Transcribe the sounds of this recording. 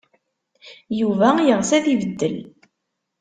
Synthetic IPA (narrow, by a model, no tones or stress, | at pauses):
juvæjəʁsæθivəd̪ːəl